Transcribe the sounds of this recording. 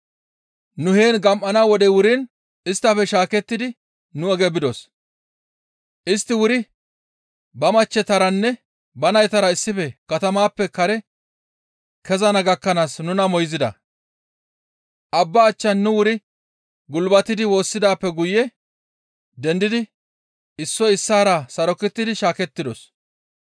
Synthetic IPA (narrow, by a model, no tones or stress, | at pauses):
nʊheːnɡɐmʔɐnawɔd̪ɛwʊɾɪn | ɪst̪ːɐfɛʃaːkɛt̪ːɪd̪ɪ | nʊɛɡɛbɪd̪os | ʔɪst̪ːɪwʊɾɪ | bɐmɐt͡ʃːɛt̪ɐɾɐnːɛ | bɐnɐjt̪ɐɾɐɪsːɪfɛkɐt̪ɐmaːpːɛkɐɾɛ | kɛzɐnɐɡɐkːɐnaːsnʊnɐmɔjzɪd̪ɐ̰ | ʔɐbːɐːt͡ʃːɐnːʊwʊɾɪ | ɡʊlbɐt̪ːɪd̪ɪwo̞ːsːɪd̪aːpːɛɡʊjɛ | d̪ɛnd̪ɪd̪ɪ | ɪsːɔɪsːaːɾɐsɐɾɔkːɪt̪ːɪd̪ɪʃaːkɛt̪ːɪd̪ɔ̰s